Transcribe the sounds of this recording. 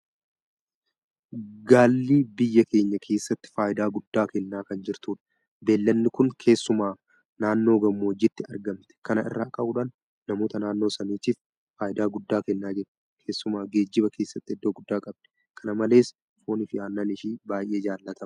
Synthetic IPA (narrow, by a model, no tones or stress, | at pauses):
ɡaːlːiːbɪjːɐke̞ːɲːɐkʰe̞ːsːɐt̪ːɪ̥faːjɪd̪aːɡʊd̪ːaːkɛnːaːkɐnd͡ʒɪɾt̪uːᶑɐ̥ | be̞ːlːɐnːɪkʊŋkʰe̞ːsːʊmaː | naːnːo̞ːɡɐmːoːd͡ʒɪt̪ːɪɐɾɡɐmt̪ɛ̥kɐnɐʔɪ̰rːaːkʼɐuːᶑaːnː | ɐmoːt̪ɐnaːnːo̞ːsɐniːt͡ʃiːf | faːjɪd̪aːɡʊd̪ːaːkɛnːaːd͡ʒɛɾt | kʰe̞ːsːʊmaːɡe̞ːd͡ʒːɪbɐkʰe̞ːsːɐt̪ːɪɛd̪ːoːɡʊd̪ːaːkʼɐb̚d̪ɛ̥ | kʰɐnɐmɐle̞ːs | fo̞ːnɪfɪjaːnːaːnɪʃiːbaːjʔeːd͡ʒaːlːɐt̪ɐmɐ